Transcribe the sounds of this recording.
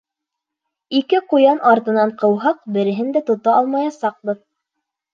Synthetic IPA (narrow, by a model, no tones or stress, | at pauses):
ikɘqujɑnʔɑɾt̪ɤ̆nɑɴqɤ̆wɦɑq̚bɘ̆ɾɘ̆ɦɘnd̪æt̪ŏt̪ɑɑlˠmɑjɑsɑq̚bɤð